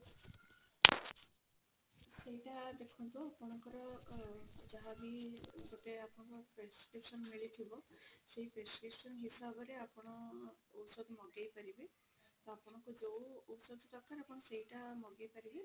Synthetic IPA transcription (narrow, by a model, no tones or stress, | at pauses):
seɦiʈad̪ekʰɔnt̪uapɔɽ̃ɔŋkɔɾɔ | d͡ʒaɦabiɡɔʈeapɔɽ̃ɔ̃kɔpɾeskɾipsɔnmiɭit̪ʰibɔseɦipɾeskɾipsɔnɦisabɔɾeapɔɽ̃ɔːwsɔd̪ʱmɔɡejpaɾibe | t̪ɔapɔɽ̃ɔkud͡ʒowowsɔd̪t̪ɔkaɾapɔɽ̃ɔseɦiʈamɔɡejpaɾibe